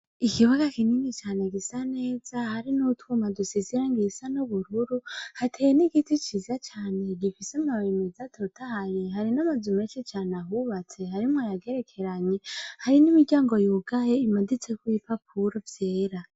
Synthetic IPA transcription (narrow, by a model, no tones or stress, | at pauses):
ikiβaɡakininit͡ʃaːneɡisane̞ːz̥ahaɾinutumadusiziɾaŋɡisanuβuɾuɾuhatʰejniɡitit͡ʃizat͡ʃaːne̞ɡifisemaemezatʰotʰahaɾiɦaɾinamazumeːt͡ʃit͡ʃaːnaɦuβat͡se̞haɾimwajaɡe̞ɾe̞kʰe̞ɾaɲehaɾinimiɟaːŋɡo̞juɡ̥ajeimadit͡sekwipapʰuɾovje̞ːɾa